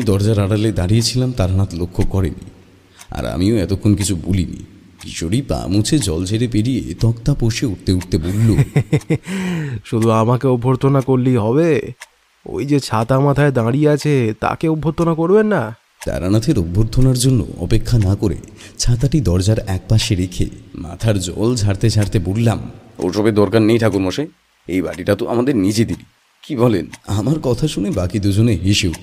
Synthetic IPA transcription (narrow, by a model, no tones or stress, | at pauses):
mid̪ɔɾd͡ʑaɾaɽaled̪aɽijet͡ɕʰilamt̪aɾanat̪lokʰːokɔɾḛni | a̰ɾa̰mioɛt̪okʰːonkit͡ɕʰubolinḭ | iʃoɽipa̰mut͡ɕʰed͡ʑɔlt͡ɕʰeɾepeɽijḛt̪ɔkt̪apoʃeuʈ̚t̪euʈ̚t̪ebolːo | ʃud̪ʱuamakeubʱːoɾt̪ʰːonakoɾliɦɔβe | o̰jd͡ʑet͡ɕʰat̪amat̪ʰaed̪ãɽijeat͡ɕʰet̪a̰keubʱːoɾt̪ʰːonakoɾbenːa | t̪a̰ɾanat̪ʰeɾubʱːoɾt̪ʰːonaɾd͡ʑonːo̰ɔ̰pekʰːanakoɾḛt͡ɕʰat̪aʈid̪ɔɾd͡ʑaɾɛk̚paʃeɾekʰḛma̰t̪ʰaɾd͡ʑɔ̰ld͡ʑʱaɾt̪ed͡ʑʰʱaɾt̪ebullamo̰ɾʃɔbed̪ɔɾkanːejʈʰakuɾmoʃe | ejba̰ʈiʈat̪oʔa̰mad̪eɾnid͡ʑed̪ibi | kibɔlenamaɾkɔt̪ʰaʃunebakid̪ud͡ʑoneɦiʃu